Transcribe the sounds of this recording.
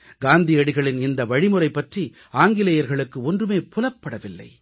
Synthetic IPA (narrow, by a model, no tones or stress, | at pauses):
ɡaːnd̪ijɐɽɪɣɐɭɪnɪnd̪ɐʋɐɻɪmɯɾɐɪpːɐʈri | aːŋɡɪlɐjɐɾɣɐɭɯkːɯɔndrɯmeːpʊlɐpːɐɽɐʋɪlːɐ̰ɪ